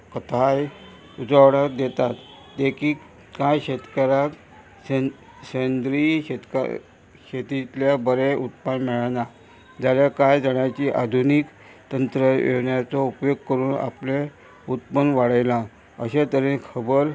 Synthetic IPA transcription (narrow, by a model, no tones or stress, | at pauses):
kət̪ʰaj | ud͡zəʋɽakd̪et̪at̪ | d̪ekʰiːk | kajɕet̪kəɾak | ɕənd̪ɾiɕet̪k | ɕet̪it̪ljabəɾeʔut̪panmɛɭna | d͡ʑaljakajd͡zəɳjat͡ɕiːʔad̪ʱunik | t̪ənt̪ɾəʋḛʋɳjat͡sɔupjoɡ̚kəɾuːna̰ple | ut̪pəndʋaɽəjla | əɕet̪əɾẽkʰəbəɾ